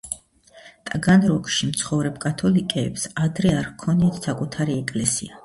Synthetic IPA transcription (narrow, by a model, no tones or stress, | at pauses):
t̪ʼɡanɾɔkʼʃimt̪sʰχɔvɾɛpkʼat̪ʰɔlikʼɛːpsad̪ɾɛaɾkʰɔniɛt̪ʰsakʼut̪ʰaɾiɛkʼlɛsḭa